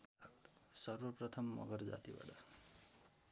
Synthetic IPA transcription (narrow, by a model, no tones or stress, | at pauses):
sʌrwʌprʌt̪ʰʌmːʌ̰ɡʌrd͡za̰t̪iba̰ʈa